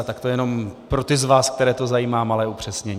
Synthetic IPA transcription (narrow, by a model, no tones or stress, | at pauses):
t̪akt̪o̞jɛno̞mpɾo̞t̪ɪzvaːsk̚t̪ɛɾɛːt̪o̞zajiːmaːmalɛːupr̝̥ɛsɲɛɲ